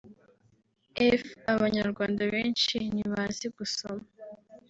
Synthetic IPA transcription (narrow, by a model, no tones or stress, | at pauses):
efaβaɲaɾɡwaːndaβeːnʃiniβaːnziɡ̥usoma